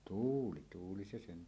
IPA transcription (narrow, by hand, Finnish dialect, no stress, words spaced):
tuːli tuːli se sen